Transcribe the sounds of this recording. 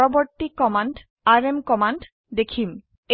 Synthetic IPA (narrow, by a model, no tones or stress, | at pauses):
ɔbɔɹtːikːɔmanɖ | aɹemkɔmanɖ | dekʰim | e